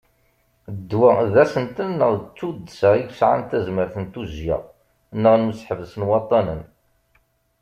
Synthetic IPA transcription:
d̪ːwæðæsənt̪ənːəʁðt͡sːud̪ːəsəʁiɡsʕa̰nt̪æzməɾθənt̪uzja̰ʁ | nːəʁnusħəvəsənwɑt̪ˤːɑnə̰n

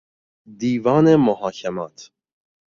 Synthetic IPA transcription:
d̪iːvɑːnemohɑːkʰɛmaːt̪ʰ

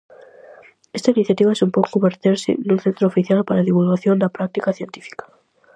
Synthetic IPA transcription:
est̪ainiθjat̪iβaesumpowkkumbeɾt̪eɾsɪ̰nũnθent̪ɾoːfiθjalpaɾaðiβulɣaθjond̪apɾak̚t̪ikaθjent̪ifi̥kḁ

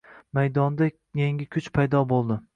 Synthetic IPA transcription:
majd̪ɒnd̪a | jeŋʲɪkʲʰʊt͡ʃpʰajd̪ɒbolˠd̪ɪ

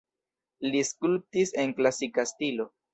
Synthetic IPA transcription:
liskulp̚tise̞nklasikastilo̞

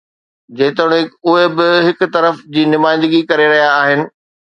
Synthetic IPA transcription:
d͡ʑẽːt̪əɽ̃ɪʊɦebɪɦɪkʊ̆t̪ɐɾəfd͡ʑiːnʊmaːɪ̃nd̪əɡikɐɾeɾɐɦijaːɦɪnɪ̆

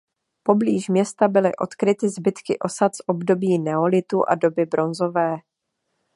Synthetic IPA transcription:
po̞bliːʃmɲɛst̪abɪlɪʔo̞t̪kɾɪt̪ɪzbɪt̪kɪ̰ʔo̞sat̪sʔo̞bdo̞biːnɛo̞lɪt̪uʔa̰do̞bɪbɾo̞nzo̞vɛː

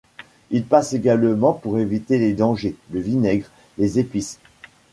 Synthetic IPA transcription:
ilpaseɡʲalmɑ̃puʁevit̪eled̪ɑ̃ʒeləvinɛɡʁ | lezepis

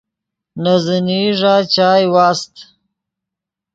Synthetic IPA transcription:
nazəniʐat͡ʃaːjwaːst̪

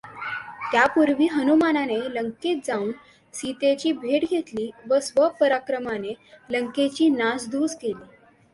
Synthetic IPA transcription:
t̪japuɾʋiːɦənumananeləŋket̪̚d͡zauːn | sit̪et͡ɕiːbʱeɽɡʱet̪liːʋəsʋəpəɾakɾəmaneləŋket͡ɕiːnasd̪uskeliː

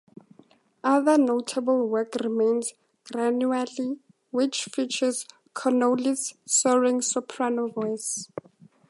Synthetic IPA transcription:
ʔaðənotʰabəlwɛkrimẽnz | ɡ̥ranuali | wit͡ʃʰfit͡ʃʰəz | kʰɔnolisːɔɹĩŋsupʰɹanovɔjs

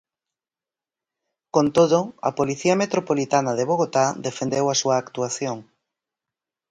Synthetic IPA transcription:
kont̪oðʊɐ̰poliθiɐmet̪ɾopolit̪anɐðeβoɣ̞ot̪ad̪efend̪ewɐsuɐːkt̪uaθjoŋ

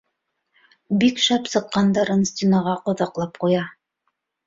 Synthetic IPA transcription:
bikʃɑpsɤ̆qːɑnd̪ɑɾɤnsʲtʲinaʁɑqŏðɑqlˠɑpqujɑ

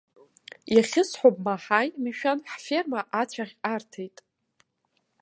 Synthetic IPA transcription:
jaχʲɪsħʷopʼmaħajmiʃᶣanħfermaʔat͡ɕʷʰaχʲartʰejtʼ

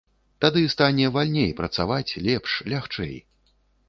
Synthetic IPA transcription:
t̪ad̪ɨst̪anʲɛvalʲnʲejpɾɐt̪savat͡sʲlʲɛpʂlʲaxt͡ʂɛ̰j

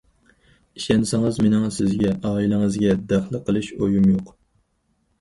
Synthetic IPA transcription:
iʃɛnsɪŋəzmenɪŋsɪzɡʲɛʔɑːilˠɪŋɨzɡʲɛd̪æχlˠɨqʰəlˠɨʃojumjoq

